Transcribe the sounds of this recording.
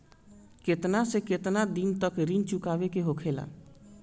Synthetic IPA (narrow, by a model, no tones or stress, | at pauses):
ket̪nasẽket̪nad̪int̪əkɾint͡ʃukabekeɦokʰela̰